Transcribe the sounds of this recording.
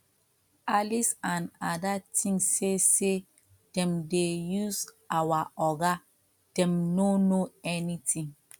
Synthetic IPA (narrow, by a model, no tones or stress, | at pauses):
alisãnadatʰĩŋsːese | d̥ɛ̃mdejuz | awaɔɡa | d̥ɛ̃mnõnoɛnitʰĩŋ